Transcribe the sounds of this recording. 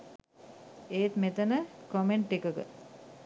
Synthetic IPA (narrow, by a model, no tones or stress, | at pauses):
eːt̪met̪ənəkomeɳʈːikəkə̰